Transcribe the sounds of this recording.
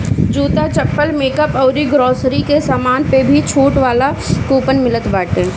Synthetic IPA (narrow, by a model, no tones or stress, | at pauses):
d͡ʒuːt̪at͡ʃɐpːəlmeːkəpɔːɾiɡɾɔːsɾikesaːmaːnpebʱit͡ʃʰoːʈʋaːla | koːpənmɪlət̪baːʈẽː